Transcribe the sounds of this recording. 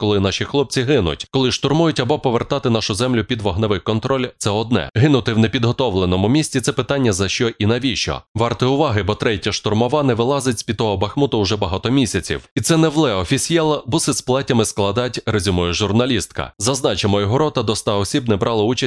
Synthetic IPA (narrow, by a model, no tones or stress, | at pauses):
kɔlˠɪnɑʃixlˠɔp̚t͡sʲiɦɪnʊ̰tʲkɔlˠɪʃt̪ʊrmujʊtʲɐbɔpɔʋert̪ɑt̪ɪnɑʃʊzɛmlʲʊpʲid̪ʋɔɦnɐʋɪkɔnt̪ɾɔlʲt̪sɛɔd̪̚nɛ̰ɦɪnʊt̪ɪwnepʲid̪ɦɔt̪ɔʋlˠenɔmʊmʲisʲtʲit̪ɛpɪt̪ɑnʲːɐzɐʃt͡ʃɔʔinɐʋʲit͡ʃɔ̰ʋɑrt̪ɪʊʋɑɦɪbɔt̪ɾɛtʲɐʃt̪ʊrmɔʋɑnɛʋɪlˠɑzɪtʲsʲpʲid̪t̪ːɔɦɔbɐxmut̪ʊʊʒɛbɐɦɑt̪ɔmʲisʲɐt͡sʲḭwit̪sɛnɛʋlˠɛɔfʲisʲjɛlˠɐbɔsɪsplˠɛtʲɐmɪsklˠɐd̪ɑtʲrezʲʊmujʊʒʊrnɐlʲist̪kɐ̰zɐznɑt͡ʃemɔjɔɦɔɾɔt̪ɐd̪ɔst̪ɑɔsʲibnɛbɾʔɑlˠɔut͡ʃɐ